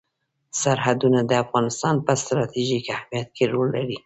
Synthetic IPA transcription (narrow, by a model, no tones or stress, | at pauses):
saɾhad̪unad̪əafɣɑnɪst̪ɑnpəst̪ɾɑt̪iʒikahmijat̪̚kʰeɾolːaɾi